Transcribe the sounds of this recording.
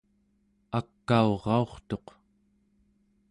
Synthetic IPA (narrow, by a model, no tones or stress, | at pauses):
akːaoʁɑo̞χt̪o̞q